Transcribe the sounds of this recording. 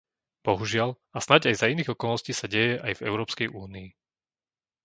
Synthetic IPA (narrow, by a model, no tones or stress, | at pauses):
b̥ɔɦuʒɪal | asnaɟajzainiːɣɔkɔlnɔsciːsaɟɛjɛʔajvɛ̰ʊɾɔːpskɛjʔuːnii